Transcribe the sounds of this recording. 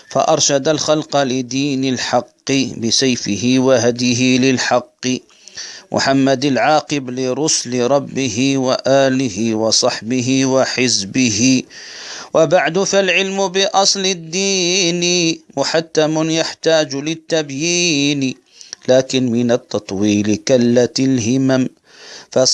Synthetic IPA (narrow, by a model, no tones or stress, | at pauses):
fa̰ʔɑɾˤʃad̪alxɑlqɑlɪd̪iːnalħɑqːibɪsajfɪɦɪwaɦad̪jɪɦɪlɪlħɑqː | mʔʊ̰ħamːad̪alʕɑːqɪblɪɾˤʊslɾˤɑbːɪɦɪwaʔaːlɪhɪwɑsˤɑħbɪɦɪwaħɪzbɪɦɪ | wʔabaʕd̪ʊfalʕɪlmʊbɪʔɑsˤlɪd̪ːiːnwɪħat̪ːamʊnjaħt̪aːd͡ʒlɪt̪ːabjiːn | laːkɪnmɪnat̪ːɑt̪ˤwiːlkalːat̪alɦɪmam | fa